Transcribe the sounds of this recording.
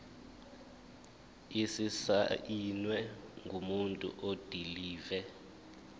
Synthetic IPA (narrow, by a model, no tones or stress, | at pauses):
isisa̰inwɛŋɡʱumuntʼṵʔod̥ʱiliːvɛ